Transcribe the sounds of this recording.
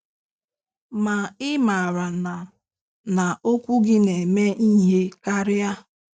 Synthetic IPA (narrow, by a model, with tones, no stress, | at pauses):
ma˨ɪ˦ma˨ɾa˨n˨ | na˨o˦kʷu˦ɡɪ˦ne˨me˦ʔi˦ɦe˦ka˦ɾɪ˦a˦